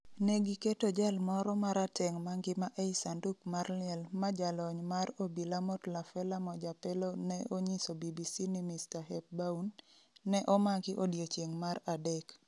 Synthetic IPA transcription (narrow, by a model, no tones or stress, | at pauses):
neɡiketod͡ʒalmɔɾɔmaɾatɛŋmaŋɡɪmaʔejsanduk̚marlɪɛlmad͡ʒalɔɲmarobilamɔtlafɛlamɔd͡ʒapɛlonɛʔoɲisobibisinɪmistaɦɛp̚baunː | ɛʔɔmakɪʔodjot͡ʃjeŋmaɾadɛk